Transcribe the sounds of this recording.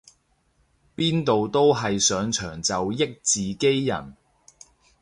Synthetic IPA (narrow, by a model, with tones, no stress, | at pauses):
piː˥nt̪o˨wt̪o˥wɦɐ˨jsœː˨˧ŋt͡ʃʰœː˨˩ŋt͡sɐ˨wjɪ˥k̚t͡siː˨ke˥jːɐ̰˨˩n